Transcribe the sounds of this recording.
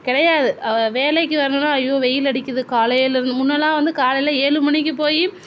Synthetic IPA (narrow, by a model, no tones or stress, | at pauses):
kɪɽɐjaːðɯɐʋeːlɐɪkːɯʋɐɾɐnɐnːaːɐjoːʋɛjɪlɐɽɪkʲːɐðɯkaːlɐjɪlɪɾɯnd̪ɯmʊnːɐlãːʋɐnd̪ɯkaːlɐjɪlɐeːɻɯmɐɳɪk̬ʲːɯpoːji